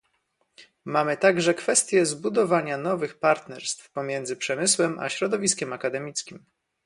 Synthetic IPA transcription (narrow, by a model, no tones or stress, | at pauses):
mamɘt̪aɡʐɛkfɛst̪ʲjɛzbud̪ɔvaɲanɔvɘxpaɾt̪nɛɾst̪fpɔmʲjɛnd̪zɘpʂɛmɘswɛmʔa̰ɕɾɔd̪ɔvʲiskʲɛmakad̪ɛmʲit̪skʲim